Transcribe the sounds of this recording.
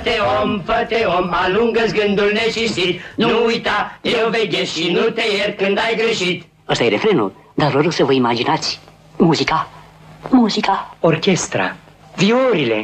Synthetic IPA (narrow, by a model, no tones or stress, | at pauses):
t̪eomfət̪eomaluŋɡəsɡɨnd̪ulnet͡ʃint̪it̪nunuujt̪ajewvejɡeʃinut̪e̞jert̪̚kɨnd̪ajɡɾeʃit̪ | əst̪ajeɾe̞fɾe̞nṵl | d̪arvəɾoksəvəimad͡ʒinat̪sʲ | muzika | muzikaorkʲe̞st̪ɾa̰ | viuɾile̞̰